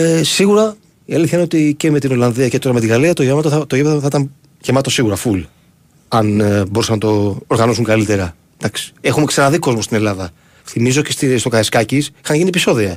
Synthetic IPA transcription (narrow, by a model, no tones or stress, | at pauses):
esiɣuɾɐ | iɐliθçɐineot̪ice̞me̞t̪ino̞lɐnðiɐce̞t̪o̞ɾɐmet̪iɣɐliɐt̪oʝemɐt̪ot̪oʝemθθit̪ɐm | ʝemɐt̪o̞siɣuɾɐful | ɐnboɾisɐnɐt̪o̞ːɾɣɐnosuŋkɐlit̪e̞ɾɐ | d̪̥ɐksi̥e̞xume̞ksenɐðiko̞zmost̪ine̞lɐðɐ | θimizo̞cest̪ist̪o̞kɐeskɐcisixɐnʝiniepiso̞ðiɐ